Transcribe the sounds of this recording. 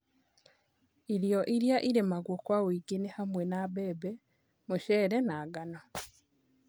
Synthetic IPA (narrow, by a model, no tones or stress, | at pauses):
iɾjoʔiɾjaʔiɾemaɡwokwawiːɡenihamwenaβeːbe | muʃeːɾenaːɡano